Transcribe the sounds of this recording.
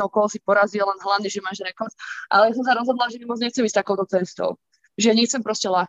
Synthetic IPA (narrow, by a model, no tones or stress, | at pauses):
ɔʊkɔɦɔsipɔɾaziɛlɛnɦlaʋniʒɛmaːʒɾɛkɔɾt̪ʔa̰lɛjas̬ɔmsaɾɔzɦɔd̪lalaʒɛmiamɔt͡sɲɛxt͡sɛmis̚ʲt̪akɔʊt̪ɔt͡sɛnst̪ɔ̰ʊ | ʒɛjaɲɛxt͡sɛmpɾɔscɛlaː